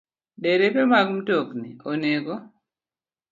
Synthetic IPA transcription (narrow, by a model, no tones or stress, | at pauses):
ɗeɾepemaɡm̩toknḭoneɡo